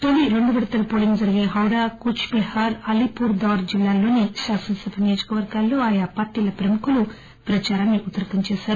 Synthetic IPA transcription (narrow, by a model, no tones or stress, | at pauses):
ʈoliɾoɳɖubɐɽɐt̪ɐlɐpoːliŋɡd͡ʒɐɾiɡeːɦɐwɽaːkut͡ʃpihaːɾɐlipuːɾd̪aːɾd͡ʒilːaːlo̞ːniʃaːsɐnsɐpnijoːd͡ʒɐ̥kɐʋɐɾɡaːlːo̞ːaːjapaːɾʈiːlɐpɾɐmukulu | pɾɐt͡ʃaːɾaːnːiut̪ːɐɾɐkɐnt͡ʃeːʃaːɾu